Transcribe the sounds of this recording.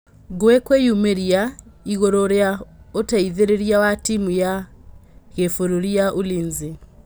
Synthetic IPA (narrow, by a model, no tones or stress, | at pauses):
ɡwekwejumeɾiaiɣoɾoɾeaotaiðeɾeɾjawatimuja | ɣefoɾuɾiaʔuliːnzi